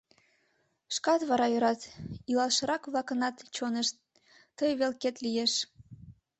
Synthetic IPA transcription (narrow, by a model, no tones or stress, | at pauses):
ʃkɑt̪βɑɾɑjøɾɑt̪ilɑlʃəɾɑkβlɑkənɑt̪t͡ɕoneʃ | t̪əjβelket̪lijeʃ